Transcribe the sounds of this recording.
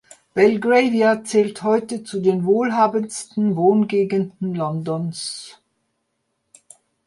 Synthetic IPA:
b̥ɛlɡʁeɪviat͡sɛːlthɔʏtət͡sudeːnvoːlɦaːbənstn̩voːnɡeːɡəndn̩lɔndɔns

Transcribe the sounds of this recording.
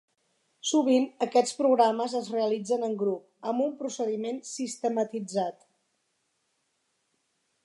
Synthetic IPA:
suβ̞inəkɛt͡spɾuɣɾaməzəzreəlid͡zənəŋɡɾup̚ | əmbumpɾusəðimensist̪əmət̪id͡zat̪

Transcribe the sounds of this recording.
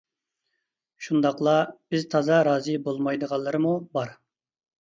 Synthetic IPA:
ʃund̪ɑqlˠɑb̥ɪzt̪ʰɑzɑɾɑːzɨbolˠmɑjd̪əʁɑlˠːɨɾɨmubɑɾ

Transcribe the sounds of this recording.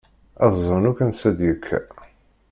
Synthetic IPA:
æzˤnukænsæd̪jəkʰːæ̰

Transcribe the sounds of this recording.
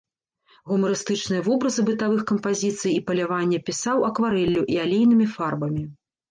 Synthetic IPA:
ɣumɐɾɨst̪ɨt͡ʂnɨjɐvɔbɾɐzɨbɨt̪avɨxkɐmpazʲit̪sɨjipɐlʲavanʲːɛpʲisawɐkvaɾɛlʲːuʔialʲejn̪ɨmʲifarbɐmʲi

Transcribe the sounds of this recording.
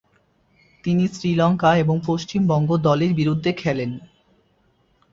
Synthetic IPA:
t̪inisɾilɔŋkaeboŋpoʃt͡ɕimbɔŋɡod̪ɔleɾbiɾud̪ʱːekʰɛlen

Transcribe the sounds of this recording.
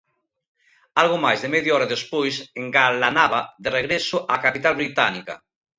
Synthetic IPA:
alɣomajzðemeðjaɔɾaðespojseŋɡalanaβaðereɣɾesoʔakapit̪alβɾit̪anika̰

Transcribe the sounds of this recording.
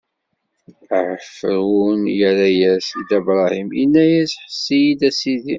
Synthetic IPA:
ʕəfɾunjəɾæjæsid̪æbɾˤɑhiminːæjæsħə̥sːijid̪æsiði

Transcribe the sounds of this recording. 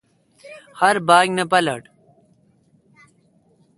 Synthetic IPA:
hɐɾbaːɡnɐpɐlɐ̰ʈ

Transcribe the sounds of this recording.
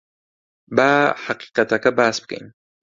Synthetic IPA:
baħaqi̥qat̪akabaːsb̚ka̰jn

